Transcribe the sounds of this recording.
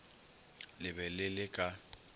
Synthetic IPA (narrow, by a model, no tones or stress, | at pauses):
lɪbɛlɪlɪkʼa